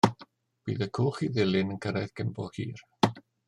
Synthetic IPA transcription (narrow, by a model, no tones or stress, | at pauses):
b̥iːðəkʰoːχiðɪlɪnənkʰəɾajðɡɪmbɔðhḭːɾ